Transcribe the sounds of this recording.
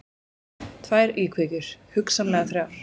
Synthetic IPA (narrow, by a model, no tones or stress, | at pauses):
t̪ʰvaːjɾiːkʰvɛcʏɾ̥hʏksanlɛɣaθɾjawɾ̥